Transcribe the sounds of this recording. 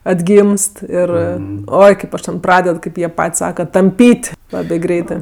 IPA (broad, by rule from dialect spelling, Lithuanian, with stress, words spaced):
ɐdʲˈɡʲiːmst ˈɪr ˈoːɪ kɐɪp ˈɐʃ tʲɛn ˈprɑːdʲɛt ˈkɐɪp jiɛ ˈpɐtʲsʲ ˈsɑːkɐ tɐmʲˈpʲiːtʲ ˈlˠɑːbʲeː ˈɡrʲɛɪtɜ